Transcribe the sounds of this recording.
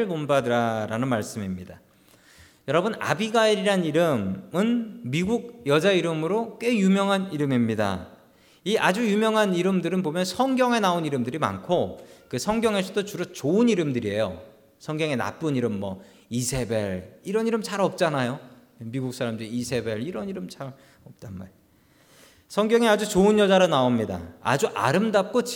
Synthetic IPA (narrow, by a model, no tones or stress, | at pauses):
ɭkombadɯɾaɾanɯnmaɭs͈ɯmimɲida | jʌɾʌbɯna̰biɡaiɾiɾɦaniɾɯmɯnmiɡuɡ̚jʌd͡ʑaiɾɯmɯɾokwe̞jumjʌŋɦaniɾɯmimɲida̰ | iʔad͡ʑujumjʌŋɦaniɾɯmdɯɾɯnbomjʌnsʰʌŋɡjʌŋe̞naoniɾɯmdɯɾima̰nkʰokɯsʰʌŋɡjʌŋe̞sʰʌdot͡ɕuɾʌt͡ɕoɯniɾɯmdɯɾie̞jo̰ | sʰʌŋɡjʌŋe̞na̰p͈ɯɲiɾɯmːʌ | isʰe̞beɾiɾʌniɾɯmt͡ɕʰaɾʌp̚t͡ɕ͈anajo | emiɡuk̚s͈aɾamdɯɾiisʰe̞be̞ɾiɾʌniɾɯmt͡ɕʰaɾ | ʌp̚t͈anma̰ɭ | sʰʌŋɡjʌŋiad͡ʑut͡ɕoɯnjʌd͡ʑaɾanaomɲida̰a̰d͡ʑuʔa̰ɾɯmdap̚k͈ot͡ɕ